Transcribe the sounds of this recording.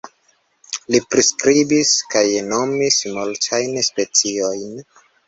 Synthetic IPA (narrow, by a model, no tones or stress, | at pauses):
lipɾiskɾibiskajno̞mismultʰajnspe̞t͡sio̞jn